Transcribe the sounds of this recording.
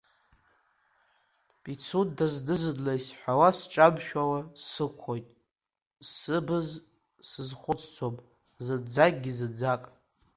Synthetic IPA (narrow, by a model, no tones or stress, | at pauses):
pʼit͡sʰutdazdɨzɨdlaisħʷᶣawasʈ͡ʂʼabʃᶣawasɨkʷʰojtʼ | sɨbɨz | sɨzχʷʊt͡sʼt͡sʰopʼ | zɨd͡zakʲʼɡʲizɨd͡zakʼ